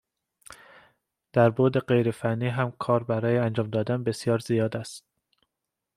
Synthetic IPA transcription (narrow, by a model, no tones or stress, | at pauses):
d̪̥æɾboːd̪eɢe̞jɾefænːiːɦæmkʰɒːɾbæɾɒːjeænd͡ʒɒːmd̪ɒːd̪ænbe̞sjɒːɾzijɒːd̪æst̪̚